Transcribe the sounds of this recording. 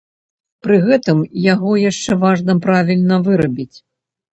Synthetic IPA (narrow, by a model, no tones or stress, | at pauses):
pɾɨɣɛt̪ɨmjaɣɔjaʂt͡ʂɛvaʐnɐpɾavʲilʲnɐvɨɾɐbʲit͡sʲ